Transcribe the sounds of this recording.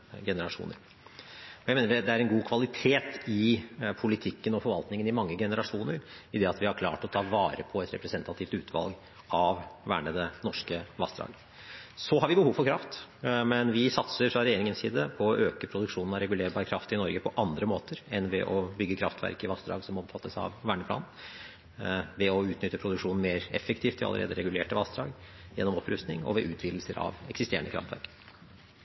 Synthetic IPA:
ɡɛnəɾɑʂṵːnə̰ɾ | ɔjæɪmeːnəɖɛd̪ɛæɾɛnɡuːkʰʋɑlɪt̪ʰeːt̪ɪpʰʊlɪt̪ʰɪkːənɔfɔɾʋɑlt̪nɪŋənɪmɑŋːəɡɛnəɾɑʂuːnəɾɪd̪ɛɑt̪ʋɪhɑɾkʰlɑ̰ːʈɔt̪ʰɑːʋɑːɾə̰pʰɔɛt̪ɾɛ̰pɾɛsɛnt̪ɑt̪ʰɪft̪ʉːt̪ʰʋɑ̰lɡ | ɑʋʋæ̰ːɳəd̪ɛnɔʂkəʋɑst̪ɾɑ̰ːɡ | sɔɦɑɾʋɪbəhuːʋfɔɾkʰɾɑft̪mɛnʋɪsɑt̪səɾfɾɑɾɛjeːɾɪŋənsiːd̪əpʰɔɔʔøːkəpʰɾʊd̪ʉkʂuːnn̩ɑɾɛɡʉleːɾbɑːɾəkʰɾɑft̪ɪnɔɾɡəpʰɔʔɑnd̪ɾəmoːt̪əɾɛnʋɛ̰ʔɔbʏɡːəkʰɾɑft̪ʰʋæ̰ɾkɪʋɑst̪d̪ɾɑ̰ːɡsɔmɔmfɑt̪ʰːəsɑ̰ʋʋæːɳəpʰlɑ̰ːn | ʋɛɔʉːt̪nʏt̪ːəpʰɾʊd̪ʉkʂuːnn̩meːɾɛfːɛk̚t̪ʰiːft̪ʰɪɑ̰lə̰ɾḛːd̪əɾɛɡʉleːʈəʋɑst̪ɾɑ̰ːɡjɛ̰nːɔmɔpɾʉst̪nɪŋɔ̰ʋɛʔʉːt̪ʰʋiːd̪l̩səɾʔɑ̰ʋɛksɪst̪eːəɳəkʰɾɑ̰ft̪ʰʋæ̰ɾk

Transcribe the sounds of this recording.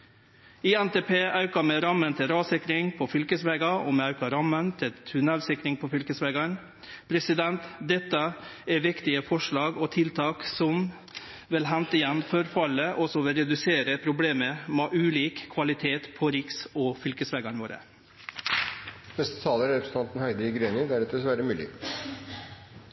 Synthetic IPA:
iɛnt̪eːpʰeːʔɑʉkɑmɛɾɑmənt̪ʰɪlɾɑːsɪkɾɪŋpʰɔfʏlkəsʋɛːɡɑɔmɛɑʉkɑɾɑmːənt̪ʰɪlt̪ʰʉnælsɪkɾɪŋpʰɔfʏlkəsʋɛːɡɑɳ | pʰɾɛsɪd̪ɛnt̪d̪ɛt̪ːəɛɾʋɪkt̪ɪəfɔʂɭɑːɡɔt̪ʰɪlt̪ʰɑːksɔm | ʋɪlɦɛnt̪ɪjɛnːfɔɾfɑlːəʔɔsɔʋɪɾɛd̪ʉseːɾəpʰɾʊbleːməmeʔʉːliːkʰːʋɑlɪt̪ʰeːt̪pʰɔɾɪksɔfʏlkəsʋɛːɡɑɳʋoːɾə̰ | nɛst̪ə̥t̪ʰɑːləɾɾɛpɾəsən̩t̪ɑnt̪n̩hæɪd̪əɪɡɾeːnəd̪æɾɛt̪ɛsʋæɾəmʉːlɪ̰

